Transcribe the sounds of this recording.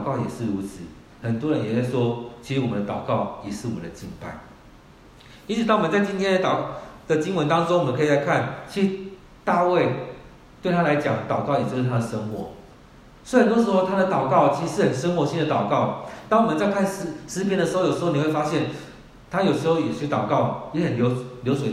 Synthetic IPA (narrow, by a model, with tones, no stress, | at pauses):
kɑ˥˩ʊjɛ̰˨˩ʂɻ̩˥˩˨ɻu˧˥t͡sʰɹ̩˨˩˦ | hə˨˩nt̪wɔ˥ɻə˦njɛ˨˩ja˥˩ʂwɔ˦˥t͡ɕʰi˧˥ʂ̩˧wɔ˨˩mə˦nd̪ə˩t̪ɑ˨˩ʊkɑ˥˩ʊjɛ˨˩ʂɻ̩˥˩wɔ˨mə˦nd̪ə˩t͡ɕi˥˧npa˥˩ɪ | i˥nt͡s̩̪ʰ˨˩˥ŋwɔ˨m˧t͡sa˥˩t̪ʰi˥nt̪ʰjɛ˥nd̪ə˨t̪ɑ˨˩d̪̥ə˨t͡ɕi˥ŋwə˧˦nt̪ɑ˥ŋʈ͡ʂoʊ˥ŋwmə˦kʰla˧˥ɪkʰa˥˩nt͡ɕʰi˧˥ʂ̩˧˥ | t̪a˥˧we˥˧ɪ | t̪we˥˩ɪt̪ʰa˥la˧˦ɪt͡ɕjɑ˨˩˦ŋt̪ɑ˨˩ʊkɑ˥˩ʊjɛ˨˩t͡ɕjʂ̩˥˧t̪ʰa˥d̪ə˩ʂə˥ŋxwɔ˧˥˦ | swe˥˧ə˨˩nt̪wɔ˥ʂ̬ɻ̩˧˥xo˥˧ʊt̪ʰa˥ɾə˨t̪ɑ˨˩ʊkɑ˥˩ʊt͡ɕʰi˧˥˧ʂɻ̩˥˩xə˨˩nʂə˥ŋxwɔ˧˥ɕi˥˨nd̪ə˩t̪ɑ˨˩ʊkɑ˥˩ʊt̪ɑ˥ŋwmə˨nt͡sa˥˧ɪkʰa˥˩nʂ̩˧˥ʂɻ̩˧˥pʰjɛ˥ndə˩ʂ̬ɻ̩˧˥o˥˧ʊjo˨˩ʂ̩˧˥o˥˧˨ni˨˩we˥˩fa˦˥ɕjɛ˥˨n | t̪ʰa˥jo˨˩ʊʂɻ̩˧˥xo˥˧ʊjɛ˨˩ɕy˥˦t̪ɑ˨˩ʊkɑ˥˩ʊjɛ˨˥hə˨˩nljo˧˥ʊljo˧˥ʊswe˨˥